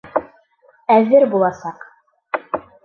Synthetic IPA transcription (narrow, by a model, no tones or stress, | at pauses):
æðɘɾbulˠɑsɑq